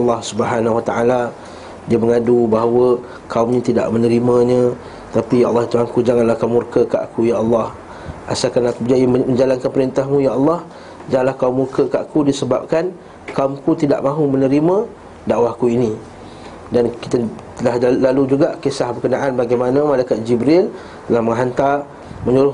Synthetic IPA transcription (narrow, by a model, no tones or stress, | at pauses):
ɑlːɑhsubəɦanawat̪aʔala | diəməŋadubaɦawə | kaumɲə̃t̪ida̰ʔmənəɾimə̃ɲə̃ | t̪apijaʔɑlːɑɦit̪uaŋkud͡ʒaŋanlahkaumurkəka̰ʔkujaʔɑlːɑh | ʔa̰sakanakubəd͡ʒaiməɲd͡ʒalankanpəɾint̪ahmũjaʔɑlːɑh | d͡ʒaŋanlahkaʊmːurkəkaʔakudisəba̰p̚kan | kaumkut̪ida̰ʔmãɦumənəɾimə̃ | dawahkuinĩ | danki̥t̪ət̪əlahlalud͡ʒuɡaʔkesahbərkənaʔanbaɡajmanə̃malajkat̪̚d͡ʒibɾɪl | t̪əlahməŋɦant̪a | mə̃ɲuɾʊh